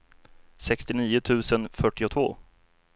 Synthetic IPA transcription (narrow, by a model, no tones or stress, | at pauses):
sɛkst̪ɪniːʊt̪ʰʉ̟ːsənfœʈːɪʊt̪ʰvo̰ː